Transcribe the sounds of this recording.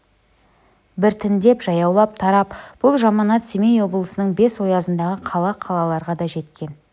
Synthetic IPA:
bɪɾt̪ʰɪnd̪e̞pʒɑjɑwlˠɑp̚t̪ʰɑɾɑpb̥ʊlˠʒɑmɑnɑt̪semejwo̞blˠəsənəɴbe̞swo̞jɑzənd̪ɑʁəqʰɑlˠɑqʰɑlˠɑlˠɑɾʁɑd̪ɑʒe̞t̪kʲe̞n

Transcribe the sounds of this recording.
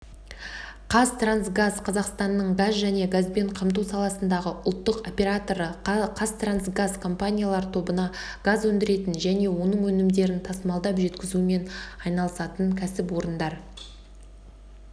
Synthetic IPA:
qʰɑst̪ransɡazqʰɑzɑqst̪ɑnːəɴɡazʒæne̞ɡazbe̞ɴqʰɑmt̪̬usɑlˠɑsənd̪ɑʁəʔʊlˠt̪ːəqo̞pʲe̞ɾat̪o̞ɾəqʰɑst̪ransɡazkʰo̞mpanʲijalˠɑɾt̪ʰo̞bənɑɡ̥azwɵnd̪ɪɾe̞t̪ɪnʒæne̞wo̞nəɴwɵnɪmd̪e̞ɾɪnt̪ʰɑsəmɑlˠd̪ɑpʒe̞t̪kʲɪzume̞nɑjnɑlˠəsɑt̪əɴkʲʰæsɪpwo̞ɾənd̪ɑɾ

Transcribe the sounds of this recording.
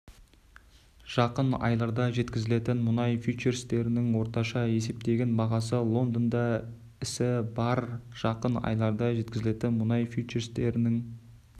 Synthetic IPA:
ʒ̥ɑqənɑ̰jlˠɑɾd̪ɑʒe̞t̪kʲɪzɪle̞t̪ɪnmʊnɑjfut͡ʃeɾst̪e̞ɾɪnɪŋwo̞ɾt̪ɑʃɑe̞se̞p̚t̪e̞ɡʲenbɑʁɑs̬əlˠo̞nd̪ənd̪ɑ | ɪsɪbɑɾʒ̥ɑqənɑ̰jlˠɑɾd̪ɑʒe̞t̪̚kʲɪzɪle̞t̪ɪnmʊnɑjfʲjut͡ʃeɾst̪e̞ɾɪnɪŋ

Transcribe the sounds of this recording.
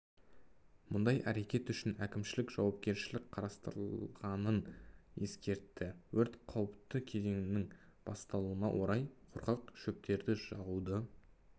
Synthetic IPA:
mʊnd̪ɑjæ̰ɾe̞kʲe̞t̪ʏʃɪnækʲɪmʃɪlɪkʒ̥ɑwɑp̚kʲe̞ɾʃɪlɪk̚qʰɑɾɑst̪əɾəllˠʁɑnəne̞skʲe̞ɾt̪ːɪwɵɾt̪qʰɑwəp̚t̪əkʲʰe̞ze̞ŋɪnɪŋ | b̥ɑst̪ɑlˠuənɑ̰wʔo̞ɾɑjqʰʊɾqɑqʃɵp̚t̪e̞ɾd̪ɪʒɑʁud̪ə

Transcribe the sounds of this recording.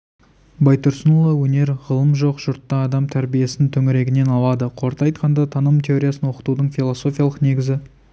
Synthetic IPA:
bɑjt̪ʊɾsənolˠəwɵne̞ɾʁəlˠəmʒo̞qʒ̥ʊɾt̪ːɑːd̪ɑmt̪ʰæɾbije̞sɪnt̪ʰɵŋɪɾe̞ɡʲɪne̞nɑlˠɑd̪əqʰo̞ɾt̪ɑjt̪qɑnd̪ɑt̪ʰɑnəmt̪ʰʲe̞o̞ɾʲijasənwo̞qə̥t̪ud̪əɴfʲilˠo̞so̞fʲijalˠəqne̞ɡʲɪzɪ

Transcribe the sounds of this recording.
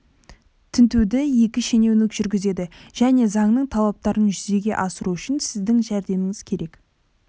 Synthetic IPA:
t̪ʰɪnt̪ewd̪ɪje̞kʲɪʃe̞ne̞wnɪkʒʏɾɡʲɪze̞d̪ɪʒ̥æne̞zɑɴnəɴt̪ʰɑlˠɑp̚t̪ɑɾənʒʏze̞ɡʲe̞̰ʔɑsəɾuʏʃɪnsɪzd̪ɪŋʒæɾd̪e̞mɪŋɪzkʲʰe̞ɾe̞k

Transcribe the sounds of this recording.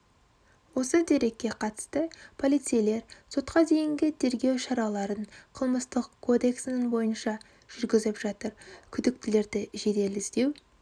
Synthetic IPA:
wo̞səd̪e̞ɾe̞kʲːe̞qʰɑt̪ə̥st̪əpʰo̞lˠijt̪sijle̞ɾso̞t̪qɑd̪e̞jɪŋɡʲɪt̪ʰe̞ɾɡʲe̞wʃɑɾɑlˠɑɾənqʰəlˠməst̪əqkʰːo̞d̪e̞ksɪnɪŋbo̞jənʃɑ | ʒ̥ʏɾɡʲɪzɪpʒ̥ɑt̪əɾkʲʰʏd̪ɪk̚t̪ɪle̞ɾd̪ɪʒe̞d̪e̞lɪsd̪e̞w

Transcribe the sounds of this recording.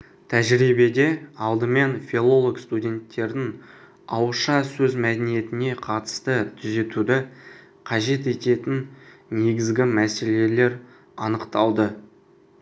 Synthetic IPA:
t̪ʰæʒɾibe̞d̪e̞ɑlˠd̪əme̞nfʲilˠo̞lˠokst̪udʲe̞nt̪ːe̞ɾd̪ɪŋ | ɑ̰wəʃɑsɵzmæd̪enije̞t̪ɪne̞qʰɑt̪ə̥st̪ət̪ʰʏze̞t̪ud̪ɪ | qʰɑʒe̞t̪e̞t̪e̞t̪ɪnne̞ɡʲɪzɡʲɪmæse̞le̞le̞ɾ | ɑnəqt̪ɑlˠd̪ə

